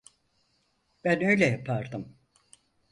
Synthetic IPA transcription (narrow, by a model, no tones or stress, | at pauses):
b̥ænø̞jlʲɛjapʰaɾd̪ɯm